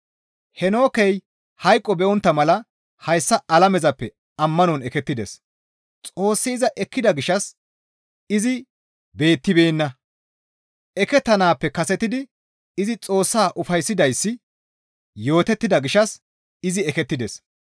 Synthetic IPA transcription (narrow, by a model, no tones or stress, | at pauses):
hɛno̞ːkɛj | hɐjkʼːɔbɛʔɔnt̪ːɐmɐlɐ | hɐjsːɐɐlɐmɛzɐpːɛ | ɐmːɐnɔnɛkɛt̪ːɪd̪ɛ̰s | t͡sʼo̞ːsːiɪzɐʔɛkːɪd̪ɐɡɪʃɐs | ɪzɪ | be̞ːt̪ːɪbeːnːɐ | ɛkɛt̪ːɐnaːpːɛkɐsɛt̪ːɪd̪ɪ | ɪzɪt͡sʼo̞ːsːaːʔʊfɐjsːɪd̪ɐjsːɪ | jo̞ːt̪ɛt̪ːɪd̪ɐɡɪʃɐs | ɪzɪɛkɛt̪ːɪd̪ɛs